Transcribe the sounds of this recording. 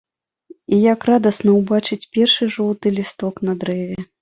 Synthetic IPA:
ijakrad̪ɐsnɐwbat͡ʂɨt͡sʲpʲɛrʂɨʐɔlˠt̪ɨlʲist̪ɔknɐd̪ɾɛvʲɛ

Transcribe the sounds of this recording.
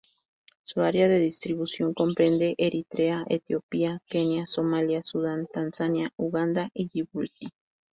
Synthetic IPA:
suaɾjaðe̞ðist̪ɾiβusjo̞ŋko̞mpɾend̪eʔeɾʔit̪ɾeaʔḛt̪iopiakenjasomaljasuðant̪ansanjauɣand̪aʔiʝiβult̪i

